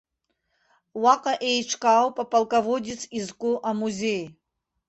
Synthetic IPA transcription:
waqʼaʔejʈ͡ʂʰkʼawpʼapʼalˠkʼavodʲit͡sʰizkʷʼʊʔamuzʲej

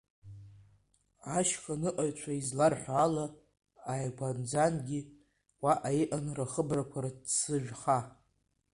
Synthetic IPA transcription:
aʃkʰanɨʔʼaɥt͡ʃʷʰaizlarħʷaːla | ajkʷʰand͡zanɡʲi | waʔajʔanraχəbrakʷʰaɾadsɨʒᶣχa

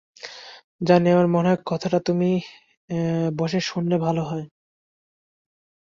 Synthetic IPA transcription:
d͡ʑaneaɾmɔnakkɔt̪ʰaʈat̪umi | bɔʃeʃunːebʱaloɦɔe

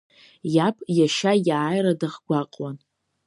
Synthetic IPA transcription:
japʰʼjaʃajaːjɾadaχɡʷaqʼwan

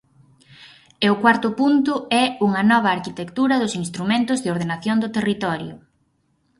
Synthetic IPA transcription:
eʊkwaɾt̪ʊpunt̪ʊɛuŋɐnɔβ̞ɐːɾkit̪ekt̪uɾɐðʊsinst̪ɾumẽnt̪ʊzðɪoɾðenaθjond̪ʊt̪erit̪ɔɾjʊ

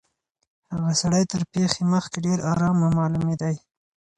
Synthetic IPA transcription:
haɣasaɽəjt̪əɾpexeməxkeɖeɾɑɾɑmamɑlumed̪aj

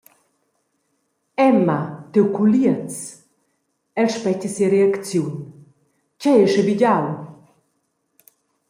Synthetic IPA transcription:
ɛmat̪ewkuliət͡s | ɛlʃpɛcəsiəɾeakt͡sjun | cɛɛʃəviɟaw

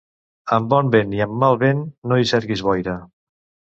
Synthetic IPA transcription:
əmbɔmbeniəmːalˠβenːoisɛɾɣizβɔjɾə

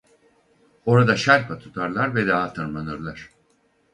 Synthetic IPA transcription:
o̞ɾad̪aʃæɾpʰat̪ʰu̥t̪ʰaɾlˠaɾvɛd̪aːt̪ʰɯɾmanɯɾlˠaɾ̥

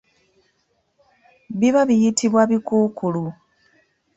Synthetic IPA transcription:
βiβaβijitiβwaβikuːkʰulu

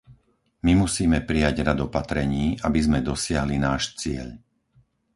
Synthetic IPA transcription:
mimusiːmɛpɾijaɟɾad̪ɔpat̪ɾɛɲiːʔabizmɛd̪ɔsɪaɦlinaːʃt͡sɪɛ̰ʎ

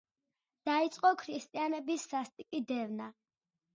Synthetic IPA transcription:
d̪̥ait̪sʼqʼɔkʰɾist̪ʼianɛbisːast̪ʼikʼid̪ɛvna

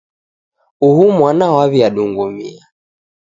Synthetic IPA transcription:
uhumwanawaβiaɗuŋɡumḭa

